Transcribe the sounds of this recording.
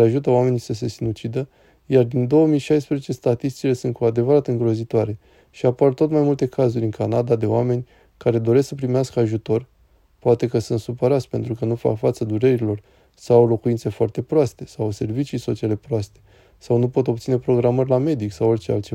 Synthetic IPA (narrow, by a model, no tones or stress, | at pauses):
aʒut̪̬əwame̞nisəse̞sinut͡ʃid̪ə | jard̪ind̪o̞wəmijʃajspɾezet͡ʃe̞st̪at̪ist̪i̥t͡ʃile̞sunt̪̚kuad̪e̞vəɾat̪ɨŋɡɾo̞zit̪oaɾe̞ | ʃiapart̪o̞t̪majmult̪e̞kazuɾʲɨŋkanad̪ad̪e̞owame̞nʲ | kaɾe̞d̪o̞ɾe̞sksəpɾimeaskəaʒut̪o̞rʲ | poat̪e̞kəsunt̪supəɾat̪sʲpe̞nt̪ɾukənufa̰kfat̪səd̪uɾe̞ɾilo̞r | sawlo̞kuinse̞foart̪e̞pɾoast̪e̞sawse̞rvit͡ʃijso̞t͡ʃiale̞pɾoast̪e̞ | sawnupo̞t̪o̞b̚t̪sine̞pɾo̞ɡɾamərʲlame̞d̪iksawort͡ʃe̞a̰lt̪t͡ʃe